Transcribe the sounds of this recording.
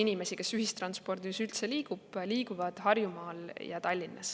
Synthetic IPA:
inimesike̞syhist̪rɑnspo̞rd̪isylt̪se̞liːɡub̥liːɡuvɑd̪̥hɑrjumɑːljɑt̪ɑlʲːinːɑs

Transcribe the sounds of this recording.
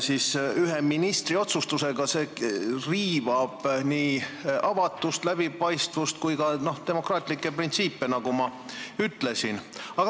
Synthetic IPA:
sisyɦeminist̪rio̞t̪sust̪use̞ɡ̥ɑseːriːvɑb̥niːɑvɑt̪ːˑust̪læb̥ipɑjst̪vust̪̚kujkɑno̞ht̪e̞mo̞krɑːt̪ʲˑlikːˑe̞print̪siːpːenɑɡ̥umɑ | yt̪ˑle̞sinɑɡɑ

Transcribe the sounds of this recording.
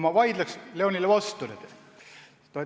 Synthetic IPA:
mɑvɑjd̪̥lɑksleonʲilevɑst̪ulet̪ | t̪o

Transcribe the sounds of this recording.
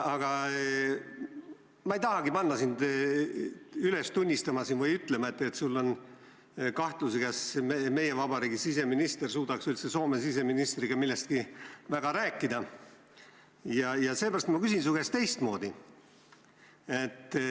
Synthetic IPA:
ɑɡ̥ɑ | mɑejt̪ɑɦɑɡipɑnːɑsind̪ | yle̞st̪unʲːist̪ɑmɑsinvɯjyt̪ːˑle̞mɑe̞t̪ːˑe̞t̪sulːo̞n | kɑht̪luseɡæsmeme̞je̞vɑbɑɾiːɡisise̞minist̪e̞rsuːd̪̥ɑksylt̪seso̞ːme̞sise̞minist̪riɡ̥ɑmilːe̞st̪̚kivæɡ̥ɑɾæːkːˑid̪ɑ | jɑjɑse̞ːbæɾɑst̪mɑkysinsuɡest̪e̞jst̪mo̞ːd̪i | e̞t̪ː

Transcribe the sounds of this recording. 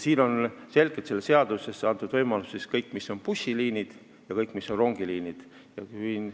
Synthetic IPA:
siːno̞nse̞lɡet̪selːeseɑd̪use̞sɑnt̪ːˑud̪̥vɤjmɑlusːiskɤjkːmisːo̞npusʲiliːnid̪̥ | jɑkɤjkˑmisːo̞nro̞ŋɡ̥iliːnid̪̥ | jɑyn

